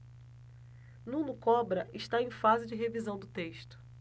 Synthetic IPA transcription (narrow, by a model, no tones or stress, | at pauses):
nũnʊkɔbɾɐʔɪʃt̪aẽj̃fazɪd͡ʒɪɦevizɐ̃w̃d̪ʊt̪eʃt̪ʊ̥